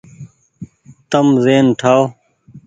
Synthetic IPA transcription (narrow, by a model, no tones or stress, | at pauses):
t̪əmzeːnʈʰaːo